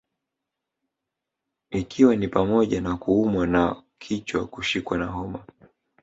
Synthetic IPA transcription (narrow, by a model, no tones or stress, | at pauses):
ikʰiwanipamɔʄanakuumwanakʰit͡ʃwa̰kuʃikwanaɦɔma